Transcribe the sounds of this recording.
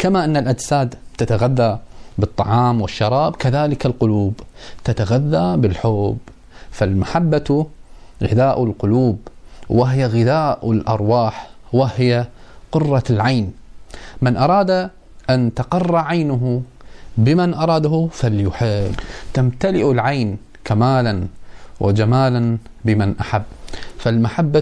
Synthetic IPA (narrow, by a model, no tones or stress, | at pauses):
kamaʔɪnːalʔad͡ʒsaːd̪t̪at̪aɣaðːabɨt̪ˤːɑʕɑːmwɪʃːɑɾˤɑːbkaðaːlɪkalqʊluːbt̪at̪aɣaðːabɪlħoːb | falmaħabːat̪ | ɣɪðaːʔlqʊluːbwɪɦɪjaɣɪðaːʔɪlʔɑ̰ɾˤwaːħwɪhɪjaqʊrˤːɑlʕajn | mɪnʔɑɾˤɑːd̪a | ʔant̪aqɑrˤːɑʕajnʊɦ | bɪmanʔɑɾˤɑːd̪ahʊfaljʊħɪt̪amt̪alɪʔʊlʕajn | kamaːlanwʔɪ̰d͡ʒamaːlanbɪmanʔaħabːfalmaħabːa